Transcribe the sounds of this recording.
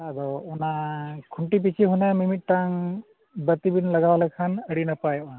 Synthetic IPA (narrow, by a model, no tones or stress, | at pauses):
adɔɔnakʰuɳʈip̬it͡ʃʰiɦunamimit̚ːaŋ | bət̪ibinlaɡawalakʰanəɽinapaja